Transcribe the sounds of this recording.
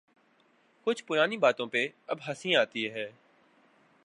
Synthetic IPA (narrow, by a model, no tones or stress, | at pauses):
kʊt͡ʃʰpʊɾaːnibaːt̪õpeɐbɦɐsĩaːt̪iɦɛː